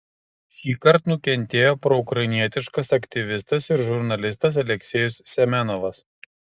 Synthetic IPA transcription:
ʃʲiːkɐɾt̪nʊkʲɛnʲˑt̪ʲeːjoːpɾɔʊkɾɐɪnʲiɛt̪ʲɪʃkɐsɐkʲt̪ʲɪʋʲɪst̪ɐsɪɾʒʊɾnɐlʲɪst̪ɐs̬ɐlʲɛkʲsʲeːjʊsːʲɛmʲɛnɔʋɐs

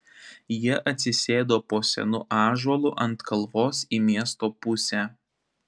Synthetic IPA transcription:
jiɛʔɐt̪ʲsʲɪsʲeːd̪oːpoːsʲɛ̰nʊ̰ʔɑːʒɐlˠʊʔɐnt̪kʰɐlˠʋoːsiːmʲiɛst̪oːpʊsʲæː

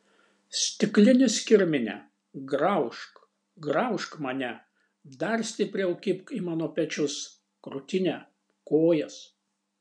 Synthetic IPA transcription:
sʲt̪ʲɪklʲɪnʲɪsʲkʲɪɾʲmʲɪnʲɛ̰ | ɡɾɐʊʃk | ɡɾɐʊʃkmɐnʲɛ | d̪ɐɾsʲt̪ʲɪpʲɾʲɛʊkʲɪpkimɑːnoːpʲɛt͡ʃʲʊs | kɾʊt̪ʲɪnʲɛ | koːjɛs

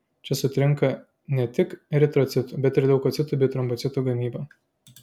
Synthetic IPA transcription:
t͡ʃʲɛsʊt̪ʲɾʲɪŋkɐ | nʲɛt̪ʲɪkɾʲɛt̪ɾɔt̪sʲɪt̪ubʲɛt̪ɪɾd̪ɛʊkɔt̪sʲɪt̪uːbʲɛɪt̪ɾɔmbɔt̪sʲɪt̪uɡɐmʲiːbɐ

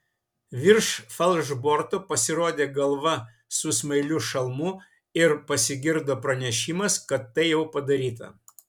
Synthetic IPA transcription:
ʋʲɪɾʃfɐlˠʒboɾt̪opɐsʲɪɾoːd̪ʲeːɡɐlˠʋɐ | sʊsmɐɪlʲʊʃɐlˠmuː | ɪɾpɐsʲɪɡʲɪɾd̪oːpɾɐnʲɛʃʲɪmɐskɐt̪ːɐɪjɛʊpɐd̪ɐɾʲiːt̪ɐ̰

